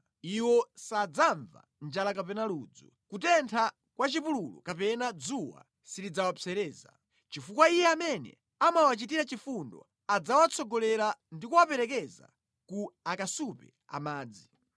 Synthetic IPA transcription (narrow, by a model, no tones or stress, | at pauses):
iwɔsad͡zaɱva̰nd͡ʒalakapɛnalud͡zɔ | kutɛntʰa | kwat͡ʃipululɔ̰kapɛnad͡zuwa̰ | sidid͡zawapt͡sɛɾɛːza̰ | t͡ʃifukwaijɛamɛnɛ̰ | amawat͡ʃitiɾat͡ʃifundɔ̰ | ad͡zawat͡sʰɔɡɔlɛɾandikuwapɛɾɛk̬ɛza̰ | kuakasupɛ̰ | a̰maːd͡zi